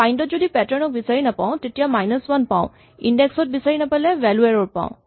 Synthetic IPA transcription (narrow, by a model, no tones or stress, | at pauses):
ajndɔtzodipɛtɔɹnɔk̚bisaɹinapaʊ̃tetijamajnɔswanpã̰ʊ̃ | indɛksɔt̚bisaɹinapalɛwɛlɛɹɔɹpã̰ʊ̃